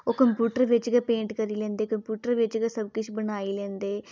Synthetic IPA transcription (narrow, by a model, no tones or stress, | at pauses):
oːkəmpjuːʈəɾʋɪt͡ʃɡapẽːɳʈkəɾiːlɛ̃ːnd̪eːkəmpjuːʈəɾʋɪt͡ʃɡasəb̚kɪt͡ʃʰbənaːiːlɛ̃ːnd̪eː